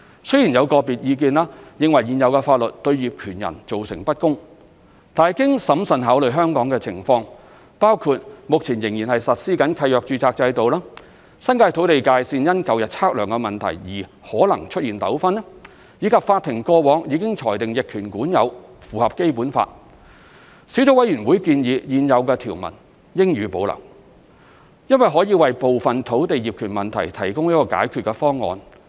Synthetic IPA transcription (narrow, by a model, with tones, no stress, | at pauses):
sɵ˥jiː˨˩njɐ˨˧wkɔː˧piː˨t̚jiː˧k̬iː˧nlaː˥jɪ˨ŋwɐ˨˩jjiː˨˩njɐ˨˧wkɛː˧faː˧t̚lɵ˨t̚t̪ɵ˧ɥjiː˨p̚kʰyː˨˩njɐ̰˨˩nt͡so˨wsɪ˨˩ŋpɐ˥t̚kʊ˥ŋ | t̪aː˨jkɪ˥ŋsɐ˨˥msɐ˨˧nɦaː˨˥wlɵ˨ɥɦœː˥ŋkɔː˨˥ŋkɛː˧t͡sʰɪ̰˨˩ŋfɔː˧ŋ | paː˥wkʰuː˧t̚mʊ˨k̚t͡sʰiː˨˩njɪ˨˩ŋjiː˨˩nhɐ˨jsɐ˨t̚siː˥kɐ˨˥nkʰɐ˧jœː˨k̚t͡ʃyː˧t͡saː˧k̚t͡sɐ˧jt̪o˨wlaː˥ | sɐ˥nkaː˧jt̪ʰo˨˥wt̪e˨jkaː˧jsiː˧njɐ˥nkɐ˨˧wjɐ˨t̚t͡sʰaː˥k̚lœː˨˩ŋkɛ˧mɐ˨nt̪ʰɐ̰˨˩jjiː˨˩ | hɔː˨˥lɐ˨˩ŋt͡ʃʰɵ˥t̚jiː˨˩nt̪ɐ˨˥wfɐ˥n˥ | jiː˨˧kʰɐ˨p̚faː˧t̪ʰːɪ˨˩ŋkɔː˧wɔː˨˥ŋjiː˨˧kɪ˥ŋt͡ʃʰɔː˨˩jt̪ɪ˨ŋjɪ˨kʰːyː˨˩nkuː˨˥njɐ˨˧wfuː˨hɐ˨p̚ke˥jpuː˨˥nfa̰ː˧t̚ | siː˨˥t͡so˨˥wɐ˨˥jɥyː˨˩nwu˨˥jkiː˧njiː˨˧jiː˨njɐ˨˧wkɛː˧t̪ʰiː˨˩wmɐ̰˨˩n | jɪ˥ŋjyː˨˥po˨˧wlɐ̰˨˩ŋ | jɐ˥nwɐ˨jɦɔː˨˥jiː˧wɐ˨jpo˨wfɐ˨nt̪ʰo˨˥wt̪e˨jiː˨p̚kʰyː˨˩nmɐ˨˩nt̪ʰɐ˨˩jt̪ʰɐ˨˩jkʊ˥ŋjiː˥kɔː˧ka̰ː˨˥jkʰy˨˧t̚kɛ˧fɔː˥ŋːɔ̰ː˨˧n